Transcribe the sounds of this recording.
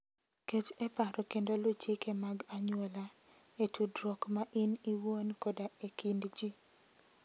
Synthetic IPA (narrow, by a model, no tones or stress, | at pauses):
ket͡ʃɛpaɾɔkendolʊt͡ʃikemaɡaɲʊɔla | etudɾɔkmaʔɪniwonkodaekindd͡ʒi